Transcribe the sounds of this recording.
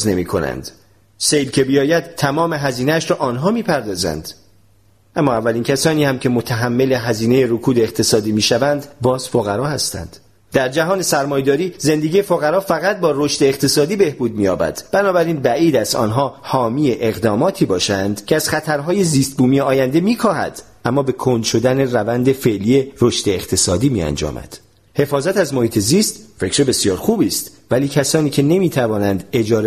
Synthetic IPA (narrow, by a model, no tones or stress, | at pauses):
zne̞miːkʰo̞̰næ̰nd̪̥ | sejlcʰe̞bijɒːjæd̪̥t̪ʰːæmɒːme̞ɦæziːneæʃɾɒːʔɒːnɦɒːmiːpʰæɾd̪ɒːzæ̰nd̪ | ʔæmːɒːævːæliːncʰæsɒːniːhæmcʰe̞mot̪ʰæɦæmːe̞le̞ɦæziːne̞jeɾokʰuːd̪eːqt̪ʰe̞sɒːd̪iːmiːʃævænd̪bɒːz̥foɣæɾɒːhæst̪æ̰nd̪̥ | d̪æɾd͡ʒæɦɒːne̞sæɾmɒːjd̪ɒːɾiːze̞nd̪eɡiːjefoɣæɾɒːfæɣæt̪̚bɒːɾoʃd̪eːqt̪ʰe̞sɒːd̪iːbe̞hbuːd̪̚miːjɒ̰ːbæ̰d̪̥b̥ænɒːbæɾiːnbæʔiːd̪æzɒ̰ːnɦɒːhɒːmiːjeʔeɣd̪ɒːmɒːt̪ʰiːbɒːʃænd̪cʰeæz̥χæt̪ʰæɾɦɒːje̞ziːst̪̚buːmijeɒːjænd̪e̞miːkʰɒːhæ̰d̪̥ | ʔæmːɒːbe̞kʰond̪ʃo̞d̪æne̞rævænd̪e̞fe̞ʔliːjeɾoʃd̪e̞ːqt̪ʰe̞sɒːd̪iːmḭːæ̰nd͡ʒɒ̰ːmæ̰d̪̥ | he̞fɒːzæt̪æzmohiːt̪ʰe̞ziːst̪fecɾebe̞sijɒːɾxuːbiːst̪væliːcʰæsɒːniːcʰe̞ne̞miːt̪ʰævɒːnænd̪e̞d͡ʒɒːɾe